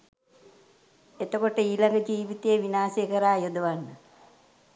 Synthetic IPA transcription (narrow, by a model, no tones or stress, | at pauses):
et̪əkoʈəiːlaŋɡəd͡ʒiːʋit̪eːʋinaːsekəɾaːjod̪əʋanːə